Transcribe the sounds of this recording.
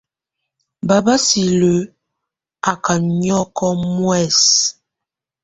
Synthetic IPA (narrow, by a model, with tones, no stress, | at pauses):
ba˨ba˦si˨lə˨˦ | a˨ka˨ɲɔ˦kɔ˦mwɛ˦˨s